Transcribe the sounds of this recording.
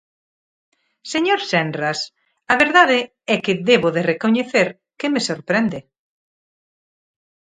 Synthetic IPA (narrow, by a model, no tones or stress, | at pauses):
seɲoɾsɛnras | ɐβeɾðaðɪ | ɛkɪðeβʊðerekoɲeθeɾ | kɪmesoɾpɾɛnd̪ɪ